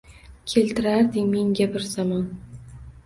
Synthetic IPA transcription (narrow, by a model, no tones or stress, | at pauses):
kʲʰelʲt̪ɪɾaɾd̪ɪŋmeŋɡʲabɪɾzamɒn